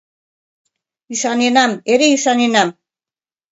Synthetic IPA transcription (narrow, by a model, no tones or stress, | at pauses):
isanenameɾeisanenam